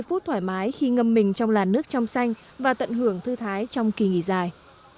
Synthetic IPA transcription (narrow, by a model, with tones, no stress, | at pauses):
jfu˦˥t̚t̪ʰwaː˧˩jmaː˨˦jxi˧ŋə˧mːï˨˩ŋ̟t͡ɕɔ˧wŋ͡mlaː˨˩nːɨ˦˥ək̚t͡ɕɔ˧wŋ͡msa˧jŋ̟ | vaː˨˩t̪ə̰˧˨nɦɨ˧˩əŋt̪ʰɨ˧t̪ʰaː˨˦jt͡ɕɔ˧wŋ͡mki˨˩ŋḭ˧˩zaː˨˩j